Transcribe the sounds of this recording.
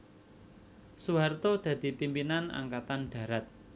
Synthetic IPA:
suɦart̪od̪̥ä̤d̪̥i̤pimpinana̰ŋkat̪anɖ̪̥ä̤ɾat̪̚

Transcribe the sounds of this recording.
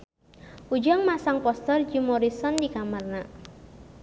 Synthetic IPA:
ʔud͡ʒaŋmasaŋpɔst̪ərd͡ʒimɔɾisɔndikamarna

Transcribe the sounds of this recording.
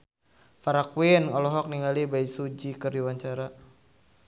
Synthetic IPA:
faɾakwinɔlɔɦɔk̚niŋalibaisud͡ʒikərdiwaɲt͡ʃaɾa

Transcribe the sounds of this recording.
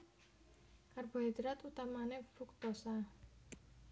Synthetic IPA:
karbo̤ɦɛd̪ɾat̪ut̪amanefʊk̚t̪osa

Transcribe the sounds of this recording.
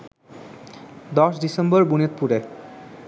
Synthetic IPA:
d̪ɔʃɖisemboɾbunet̪̚puɾe

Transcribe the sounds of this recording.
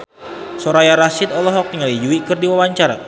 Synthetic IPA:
soɾajaɾasɪt̪ɔlɔɦɔk̚niŋalid͡ʒuikɨrdiwawaɲt͡ʃaɾa̰

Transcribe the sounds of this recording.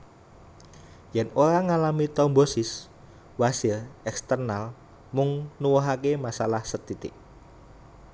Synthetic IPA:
jɛnoɾaŋalamit̪ɔmbosɪs | wasɪrɛkst̪ərnal | mʊŋnuwɔɦakemasalahsət̪it̪ɪ̰ʔ

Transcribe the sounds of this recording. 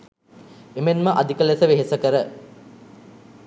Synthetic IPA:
emenməʔad̪ikəlesəʋeɦesəkəɾə

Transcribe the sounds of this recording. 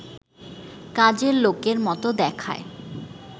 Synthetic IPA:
kad͡ʑeɾlokeɾmɔt̪od̪ɛkʰa̰e

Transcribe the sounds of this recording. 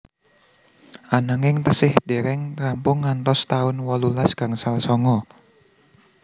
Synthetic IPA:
ʔanaŋɪŋt̪əsɪhd̪̥eɾɛŋrampʊŋːant̪ɔst̪aʊnwɔlulasɡ̥a̤ŋsalsɔŋɔ

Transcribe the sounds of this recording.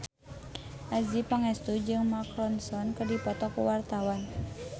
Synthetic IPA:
ʔazipaŋɛst̪ud͡ʒɨŋmakɾɔnsɔnkɨrdipɔt̪ɔkṵwart̪awan

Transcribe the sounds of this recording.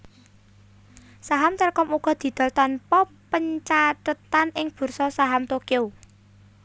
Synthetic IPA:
saɦamt̪ərkɔmuɡ̥ɔ̤d̪̥i̤d̪̥ɔ̤lt̪ɔnpɔpəɲt͡ʃatət̪anɪŋb̥ṳrsɔsaɦamt̪okeo

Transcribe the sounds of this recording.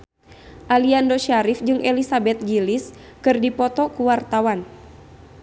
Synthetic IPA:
ʔaliandoʃaɾifd͡ʒɨŋʔɛlisabɛt̪̚ɡiliskɨrdipɔt̪ɔkuwart̪awan

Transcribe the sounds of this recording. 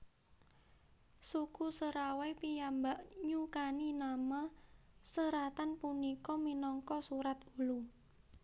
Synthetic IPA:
sukusəɾawajpijambaʔɲukaninama | səɾat̪anpunikɔminɔŋkɔsuɾat̪ulu

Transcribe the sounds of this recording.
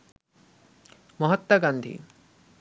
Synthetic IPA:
mɐɦɐt̪ːɐɡand̪ʱḭ

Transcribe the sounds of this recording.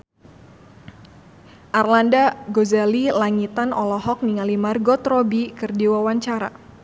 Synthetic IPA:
ʔarlandaɡozalilaŋit̪anɔlɔɦɔk̚niŋalimarɡot̪ɾobikɨrdiwawaɲt͡ʃaɾa̰

